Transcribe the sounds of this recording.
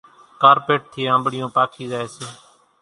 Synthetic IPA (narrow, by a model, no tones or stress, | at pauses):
kaːɾpeːʈ̚t̪ʰɪːãːmbɽɪjõːpaːkʰiːzaːeːseː